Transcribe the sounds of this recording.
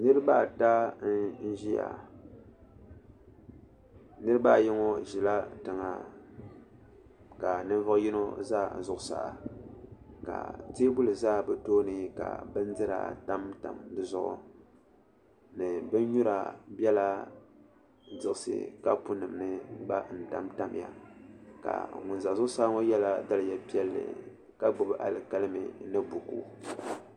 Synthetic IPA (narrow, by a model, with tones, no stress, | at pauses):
nɨ˦ɾɨ˦ba˦˨ta˦n̩˦ʒi˦ja̰˨ | nɨ˦ɾɨ˦ba˦˨ji˦ŋo˦ʒi˨la˦tɨ˨ŋa˨ | ka˨nɨ˦ɱ˦vɨ˦ji˦no˦zaː˦˨n̩˨zʊ˨ʔʊ˨sa̰˨ʔa˨ | ka̰˨teː˦bu˦lɨ˨zaː˦˨bɨ˦toː˦nɨ˦ka̰˨bɨ˦n̩˦dɨ˦ɾa̰˨ta˦mta̰˨mdɨ˦zʊ˦ʔʊ̰˨ | nɨ˨bɨ˦n˦ɲu˦ɾa̰˨bʲɛ˦la˦ | dɨ˨ʔɨ˨sɨ̰˦ka˦pu˦nɨ˨mnɨ˦ɡ͡ba˦n̩˨ta˦mta˦m˨ja̰˨ka̰˨ŋʊ˨n˨za˨zʊ˦ʊ˦saː˦ŋo˦jɛ˦la˦da˦lɨ˨ja˨pi˦ɛ˦lːɨ̰˨ | ka˦ɡ͡bʊ˨bɨ˦ʔa˨lɨ˨ka˦lɨ˦mɨ̰˨nɨ˦bu˨kṵ˦